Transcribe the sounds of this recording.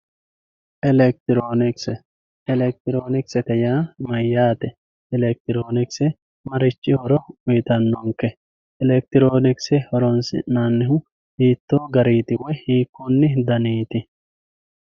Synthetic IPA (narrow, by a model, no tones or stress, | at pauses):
ʔɛlɛk̚t̪ɪɾoːnɪksɛ | ɛlɛk̚t̪ɪɾo̞ːnɪksɛt̪ɛjaːmɐjːaːt̪ɛ | ɛlɛk̚t̪ɪɾo̞ːnɪksɛ | mɐɾɪt͡ʃːɪhɔɾɔʊjɪt̪ɐnːɔŋkːɛ | ɛlɛk̚t̪ɪɾoːnɪksɛhɔɾɔnsɪ̰naːnːɪɦʊ | hiːt̪ːoːɡɐɾiːt̪ɪwɔjhiːkːɔnːɪd̪ɐniːt̪ɪ